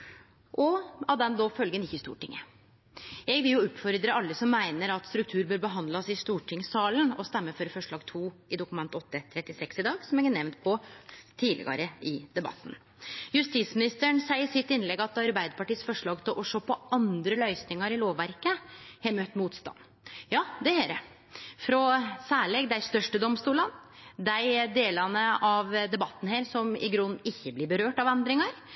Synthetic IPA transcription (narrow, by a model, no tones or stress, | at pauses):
ʔɔɑt̪d̪ɛnd̪ɔfœlɡənɪçːəɪst̪ṵːʈɪŋːə̰ | ɛɡʋɪljʊʉpfɔɾd̪ɾəɑlːəsɔmːæɪnəɾɑt̪st̪ɾʉk̚t̪ʰʉːɾbøːɾbəɦɑnd̪lɑsɪst̪uːʈʰɪŋsɑːlənɔst̪ɛmːəføːɾəfɔʂɭɑːɡt̪ʰuːɪd̪ʊkʉmɛnt̪ɔt̪ːət̪ʰɾɛt̪ːɪsɛksɪd̪ɑːɡsɔmɛɡæɳɛʋnt̪̚pʰɔt̪ʰiːlɪ̰ɡɑ̰ɾəɪd̪ɛbɑ̰t̪ːn̩ | jʉst̪it̪smɪnɪst̪əɳsæɪəsɪt̪ːɪnlɛɡɑt̪ɑɾbæɪd̪əpɑʈiːsfɔʂɭɑːɡt̪ʰɪlʔɔʂoːpʰɔɑnd̪ɾəlœʏsnɪŋɑɾɪloːʋːæɾkəhɛmøt̪muːt̪st̪ɑ̰nː | jɑːd̪ɛheːɾə̰ | fɾɔsæːɭɛɡd̪æɪst̪œʂʈəd̪ɔmst̪uːlɑnd̪æɪd̪eːlɑnəʔɑʋd̪ɛbɑt̪ːn̩heːɾsɔmɪ̰ɡɾʉnːɪçːəblɪbəɾøːʈɑʋɛnd̪ɾɪŋɑɾ